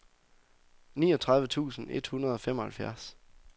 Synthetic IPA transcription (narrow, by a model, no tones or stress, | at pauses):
nḭːɒt͡sʰʁɑðˠʋət͡sʰṵːsn̩e̝d̥hunɐð̞ˠɒ̽femɒ̽hælfjæɐs